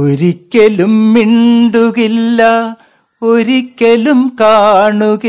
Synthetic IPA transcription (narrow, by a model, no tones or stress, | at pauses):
oɾikːelumːiɳɖuɣilːɐ | oɾikːelumkaːɳuɣi